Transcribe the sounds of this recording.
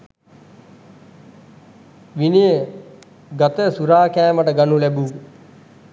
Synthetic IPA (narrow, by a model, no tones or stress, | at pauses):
ʋinijə | ɡat̪əsuɾaːkæːməʈəɡanulæbu